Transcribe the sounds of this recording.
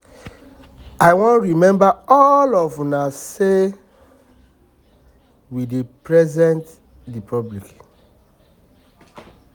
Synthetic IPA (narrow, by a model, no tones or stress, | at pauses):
aɪwõnɹimɛ̃mbaɔlɔvunase | widepɹɛzɛ̃nt | dipʰɔblik